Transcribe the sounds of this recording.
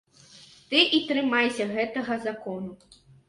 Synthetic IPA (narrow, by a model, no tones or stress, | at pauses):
t̪ɨʔit̪ɾɨmajsʲɐɣɛt̪ɐɣɐzakɔnu